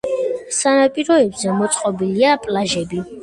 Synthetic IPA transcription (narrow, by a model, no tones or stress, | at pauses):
sanapʼiɾɔɛbzɛmɔt̪sʼqʼɔbiliapʼlaʒɛbi